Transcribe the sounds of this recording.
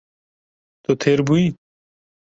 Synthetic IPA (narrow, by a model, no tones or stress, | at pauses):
t̪ot̪ʰeːɾbui